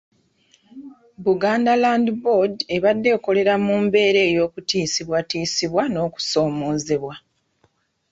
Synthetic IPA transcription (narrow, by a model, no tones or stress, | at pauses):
βuɡaːndalandibode̞βadːe̞ːko̞le̞ɾamuːmbe̞ːɾe̞ːjo̞ːkutiːsiβwatiːsiβwano̞ːku̥so̞ːmo̞ːze̞βwa